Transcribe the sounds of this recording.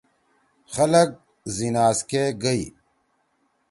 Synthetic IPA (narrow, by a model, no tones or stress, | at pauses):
xɐlɐɡ̚ | zinaːzkeɡɐi